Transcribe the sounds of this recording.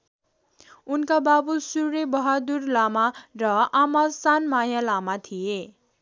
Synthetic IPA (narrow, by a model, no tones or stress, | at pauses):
unkababusurebʌɦad̪urlamarʌamasanmajalamat̪ʰije